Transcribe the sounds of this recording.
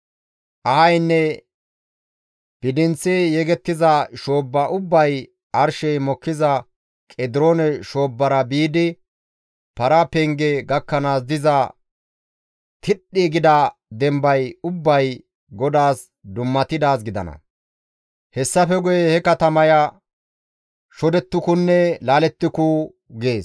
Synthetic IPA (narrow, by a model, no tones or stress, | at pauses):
ʔɐhɐjnːɛ | b̥ɪd̪ɪnt͡sːɛjɛɡɛt̪ːɪzɐʃoːbːɐʔʊbːɐj | ɐɾʃɛjmɔkːɪzɐ | kʼɛd̪ɪɾoːnɛʃo̞ːbːɐɾɐbiːd̪ɪ | pɐɾɐpɛŋɡɛɡɐkːɐnaːs̬d̪ɪzɐ | t̪ʰɪɗːiɡɪd̪ɐd̪ɛmbɐjʊbːɐj | ɡɔd̪aːs | d̪ʊmːɐt̪ɪd̪aːsɡɪd̪ɐ̰nɐ̰ | hɛsːɐfɛɡʊjɛhɛkɐt̪ɐmɐjɐ | ʃɔd̪ɛt̪ːʊkʊnːɛlaːlɛt̪ːɪkʊ | ɡe̞ːs